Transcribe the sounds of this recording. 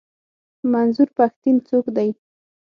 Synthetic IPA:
manzuɾpaxt̪int͡sokd̪aj

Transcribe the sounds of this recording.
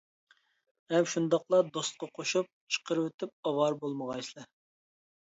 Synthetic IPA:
hɛmʃund̪ɑqlˠɑd̪ost̪̚qɑqʰoʃup̚t͡ʃʰə̥qʰəɾɨwet̪ʰɪp̚ɑwɑɾbolˠməʁɑjslˠɛ

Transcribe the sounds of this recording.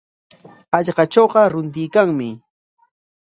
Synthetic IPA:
ɑʎɢɑt͡ʃoɢɑɾʊnt̪ɪjkaŋmɪ

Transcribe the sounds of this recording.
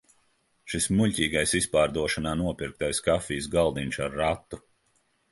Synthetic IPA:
ʃismuʎʲcʲiːɡajsispaːɾd̪uɔʃanaːnuɔpʲiɾk̚t̪ajskafiːsɡalˠd̪iɲʲʃaɾːat̪ːu

